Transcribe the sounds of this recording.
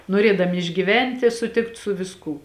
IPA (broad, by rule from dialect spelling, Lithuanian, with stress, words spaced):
noːˈrʲeːdɐmʲɪ ɪʒʲɡʲiːˈʋʲɛnʲtʲɪ sʊˈtʲɪkt sʊ ʋʲɪsˈkuː